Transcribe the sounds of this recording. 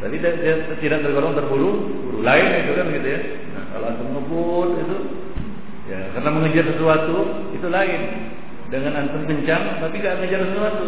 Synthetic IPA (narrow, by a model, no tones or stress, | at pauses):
t̪apidadiat̪t̪idaʔt̪ərɡoɾɔŋt̪ərbuɾu | buɾulaɪnait̪ukanɡit̪uja | na̰hka̰loant̪uməŋəbʊlit̪u | jakarnaməŋəd͡ʒarsəsuat̪u | it̪ulaɪn | dəŋanant̪əŋkəɲt͡ʃaŋt̪apiɡaʔməŋəd͡ʒarsəsəsuat̪u